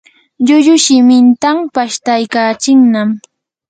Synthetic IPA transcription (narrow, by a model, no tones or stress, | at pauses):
ʎʊʎʊʃɪmɪnt̪ampaʃt̪ajkaːt͡ʃɪŋnam